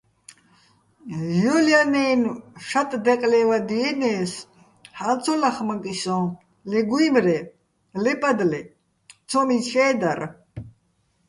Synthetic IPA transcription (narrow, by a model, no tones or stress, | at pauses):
jɔljanɛnʃat̪ʼd̪ɛqʼlɛvad̪iɛnɛːs | halt͡sʰɔlaχmakʼisɔ̃ | lɛɡuimɾɛ | lɛpʼad̪lɛ | t͡sʰɔmit͡sʰɛːd̪aɾ